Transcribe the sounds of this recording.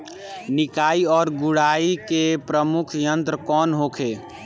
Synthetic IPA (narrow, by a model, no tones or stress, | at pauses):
nɪkaiɔːɾɡuɽaikepɾəmukʰjənt̪ɾəkɔːnɦokʰe